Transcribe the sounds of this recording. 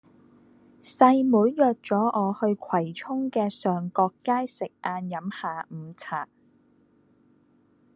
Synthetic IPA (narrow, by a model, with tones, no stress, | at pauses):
sɐ˧jmuː˨˥jjœː˨t̚t͡sɔː˨˥ʔɔː˨˧hɵ˧ɥkʰwɐ˨˩jt͡sʰʊ˥ŋkɛː˧sœː˨ŋkɔː˧kːaː˥jsɪ˨k̚ʔaː˧njɐ˨˥mhaː˨˧m̩ː˨˧˦t͡sʰaː˨˩k̚